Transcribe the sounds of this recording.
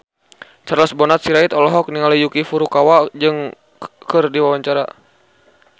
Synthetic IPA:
t͡ʃarlasbɔnat̪̚siɾait̪ɔlɔɦɔk̚niŋalijukifuɾukawad͡ʒɨŋ | kɨrdiwawaɲt͡ʃaɾa

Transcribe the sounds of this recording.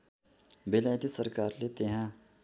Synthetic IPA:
belaːjt̪isəɾkaːɾlet̪eɦãː

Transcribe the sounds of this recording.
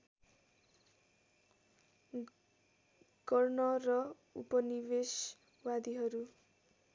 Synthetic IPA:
ɡ̥ʌrnʌrʌ | ṵpʌniβes | wad̪iɦʌɾu

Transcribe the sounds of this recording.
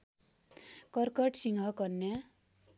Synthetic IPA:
kʌrkʌʈsiŋɦʌkʌnnːja

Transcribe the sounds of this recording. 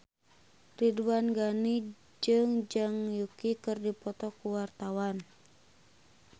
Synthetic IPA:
riduanɡani | d͡ʒɨŋd͡ʒɨŋjukikɨrdipɔt̪ɔkuwart̪awan

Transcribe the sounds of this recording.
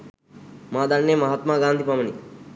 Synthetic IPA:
maːd̪anːemɐɦat̪maːɡaːnd̪ʱipɐməni

